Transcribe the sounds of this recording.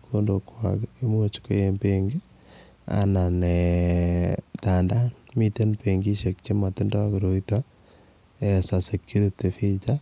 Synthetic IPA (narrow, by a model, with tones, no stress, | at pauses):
kʰo˦ndo˨kwa̰ke˦mu˦o˦t͡ʃi̥ko˦je˦mbeŋɡe˦ | a̰˨na˨ne | ta˨nda˦nmi˦te˦npeŋɡi˦ʃe˨k̚t͡ʃe˦ma˨tɪ˦nda˦kiɾo˨ita | esase˨kːu˦ɾite˨fi˦t͡ʃa